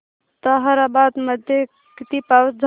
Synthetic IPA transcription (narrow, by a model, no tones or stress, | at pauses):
t̪əɦəɾabad̪məd̪ʱje | kit̪ipad͡ʒʱ